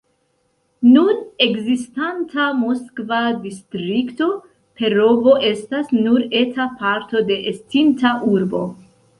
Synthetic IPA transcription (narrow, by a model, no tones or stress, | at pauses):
nune̞ɡzistantʰamoskvadistɾikto̞ | pe̞ɾo̞vo̞ʔe̞stasnuɾe̞tʰapaɾto̞de̞ʔestintaʔuɾbo̞̰